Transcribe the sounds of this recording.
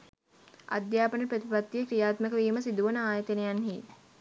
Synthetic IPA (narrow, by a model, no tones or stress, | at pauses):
ʔa̰d̪jaːpənəpɾət̪ipat̪ːiekɾijaːt̪məkəʋiːməsid̪uʋənəaːjət̪enejanɦiːt̪